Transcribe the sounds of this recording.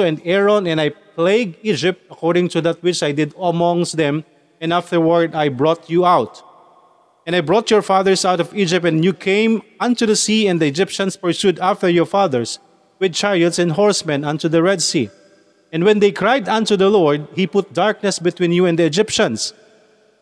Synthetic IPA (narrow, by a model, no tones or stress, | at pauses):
oɛ̃nd̪ɛɹɔ̃nɛ̃najpleɪɡ̚id͡ʒɪp̚t̪ɐkɔɹdɪ̃ŋt̪uðat̪̚wɪt͡ʃajd̪ɪd̪ɐmɔ̃ŋsd̪ɛ̃m | ɛ̃naft̪əɹwəɹd̪ajbɹɔt̪juawt̪ | ɛ̃najbɹɔt̪jɔɹfaðəɹsawt̪ɔvid͡ʒɪp̚t̪ɛ̃njukʰẽɪ̃mãnt̪uðɐsiɛ̃nd̪ɨɛd͡ʒɪpʃɐ̃nspɛɹsjud̪aft̪əɹjɔɹfaðəɹs | wɪd̪̚t͡ʃaɹd̪sɛ̃ndɦɔɹsmɛ̃nãnt̪uðəɹɛd̪si | ɛ̃nwɛ̃nd̪ejkʰɹajd̪ãnt̪uðɐlɔɹd̪̚hipʊt̪̚d̪aɹk̚nɛsbɪt̪wĩːnjuɛ̃nd̪iːd͡ʒɪpʃə̃ns